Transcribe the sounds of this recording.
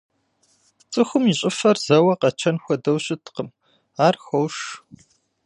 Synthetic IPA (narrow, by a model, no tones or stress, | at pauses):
t͡sʼɨxʷʊmiɕʼɪfɐrzɐwɐqɐt͡ʃʰɐnxʷɔdɐwɕʼɪtʰqəm | aːrxɐwʂ